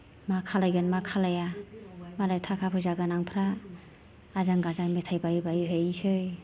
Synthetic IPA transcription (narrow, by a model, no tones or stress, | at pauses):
makʰalajɡɯnmakʰalajamalajtʰakʰapʰɯzaɡanaŋpʰɾaː | zaŋɡazaŋmetʰajbajɯbajɯɦɯjsɯj